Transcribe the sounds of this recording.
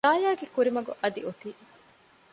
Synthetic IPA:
aːjaːɡekuɾimɐɡuʔɐd̪ḭut̪iː

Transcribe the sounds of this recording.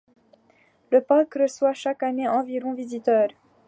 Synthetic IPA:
ləpakʁəswaʃakaneɑ̃viʁɔ̃vizit̪œːʁ

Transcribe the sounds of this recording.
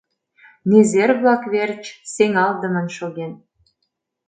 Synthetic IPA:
nezerβlɑkβert͡ɕseŋɑld̪ə̆mə̆nʃoɣen

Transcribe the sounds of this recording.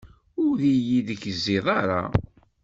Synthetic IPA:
ʊɾðijiðəçəzːɪðˤɑɾˤɑ̰

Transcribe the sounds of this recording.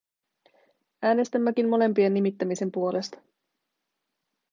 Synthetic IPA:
æːne̞st̪æmːæk̟immo̞le̞mpienːimit̪ːæmise̞mpuo̞le̞st̪ɑ̥

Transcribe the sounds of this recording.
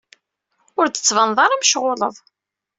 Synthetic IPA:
ʊɾt͡s̪ːə̥t͡sːvənðˤɑɾˤamʃʁʊlə̰ðˤ

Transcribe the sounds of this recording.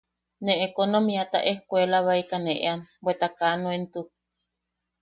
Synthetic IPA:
neʔekonomiat̪a̰ʔehkʷelaβaikaneʔḛanbwet̪akanuent̪u

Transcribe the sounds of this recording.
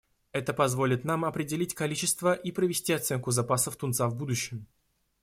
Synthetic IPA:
ɛt̪əpɐzvo̞lʲɪt̪namɐpɾʲɪdʲɪlʲitʲkɐlʲit͡ɕɪst̪vəʔipɾəvʲɪsʲtʲiɐt̪sɛnkʊzɐpasəft̪ʊnt̪savbud̪ʊɕːɪm

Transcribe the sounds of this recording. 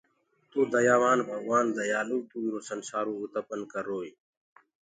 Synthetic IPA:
t̪uːd̪əjaːʋaːnbʱəɡwaːnd̪əjaːluːt̪uːiɾoːsənsaːɾoːut̪əpənkəɾːoːi

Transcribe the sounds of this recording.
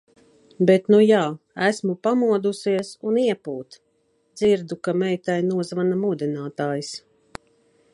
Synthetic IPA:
bet̪nujaː | æsmupamuɔd̪usiɛsuniɛpuːt̪ | d̪ziɾd̪ukamɛjt̪ajnuɔzvanamud̪inaːt̪aːjs

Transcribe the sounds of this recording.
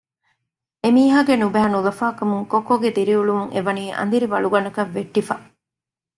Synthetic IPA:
emiːɦaːɡenubæɦɐnulɐfaːkɐmuŋkokːoɡed̪iɾiuɭumuŋḛʋɐniːʔɐ̰nd̪iɾiʋɐɭuɡɐnɐkɐʋːeʈːifɐ

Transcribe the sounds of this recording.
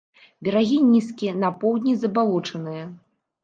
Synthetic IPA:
bʲɛɾaɣʲinʲiskʲinɐpɔwd̪ʲnʲizɐbalˠɔt͡ʂɐnɨjɐ

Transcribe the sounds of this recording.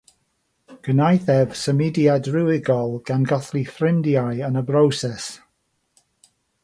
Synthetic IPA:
ɡ̥ənajθɛv̥səmidiadrɪwɪɡɔlˠɡ̥anɡɔθlifrɪndjajənəbrowsɛs

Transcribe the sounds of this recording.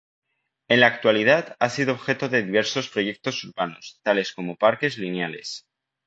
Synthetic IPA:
e̞nlaːk̚t̪walið̞at̪asiðoːβxe̞t̪o̞ðe̞ðiβ̞e̞ɾso̞spɾo̞je̞k̚t̪o̞suɾβano̞st̪ale̞sko̞mo̞paɾke̞zlinjale̞s

